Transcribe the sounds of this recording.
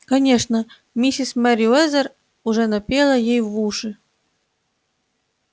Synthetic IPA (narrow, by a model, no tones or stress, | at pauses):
kɐnʲeʂnə | mʲisʲismaɾʲiɛzər | uʐɛnɐpʲelˠəjejvuʂɨ